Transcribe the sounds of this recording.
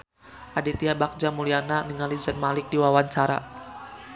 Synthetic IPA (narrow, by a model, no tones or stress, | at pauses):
ʔadit̪iabak̚d͡ʒamuliananiŋalid͡ʒanmalɪk̚diwawaɲt͡ʃaɾa̰